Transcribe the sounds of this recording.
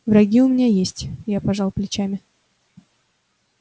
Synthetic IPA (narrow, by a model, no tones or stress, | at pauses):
vɾɐɡʲiʊmʲɪnʲajesʲtʲjapɐʐɑlˠplʲɪt͡ɕamʲɪ